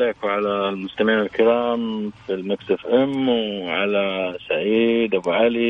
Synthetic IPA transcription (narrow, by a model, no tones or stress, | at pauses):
leːkwʕalalmʊst̪amɪʕiːnalkɪɾɑːmfilmakt̪afʔamwʕalasaʕiːd̪ʔabuʕali